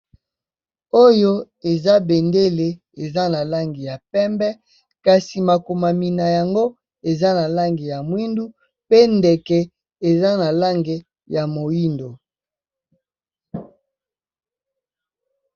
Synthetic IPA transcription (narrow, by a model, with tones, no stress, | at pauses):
o˦jo˦ | e˨za˦be˨nde˦le˨ | e˨za˦na˨la˦ŋɡi˨ja˨pɛ˦mbɛ˦ | ka˨si˨ma˨ko˨ma˨mi˨na˨ja˨ŋɡo˦ | e˨za˦na˨la˦ŋɡi˨ja˨mwi˦ndu˦ | pe˦nde˨kɛ˨ | e˨za˦na˨la˦ŋɡe˨ | ja˨mo˨ji˦ndo˨